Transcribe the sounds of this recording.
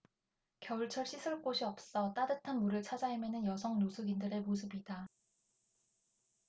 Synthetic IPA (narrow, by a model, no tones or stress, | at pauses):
kjʌuɭt͡ɕʰʌɭɕ͈ʰisʰɯɭk͈oɕʰiʌp̚s͈ʌt͈adɯtʰanmuɾɯɭt͡ɕʰad͡ʑaimjʌnɯnjʌsʰʌŋnosʰuɡindɯɾe̞mos̬ʰɯbida